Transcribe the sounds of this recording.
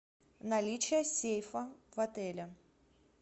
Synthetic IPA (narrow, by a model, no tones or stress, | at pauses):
nɐlʲit͡ɕɪjəsʲejfəvɐt̪ɛlʲɐ